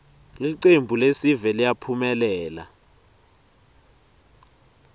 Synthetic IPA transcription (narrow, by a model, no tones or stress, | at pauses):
liǀembʱulesivɛlijapʰumɛlɛːla̰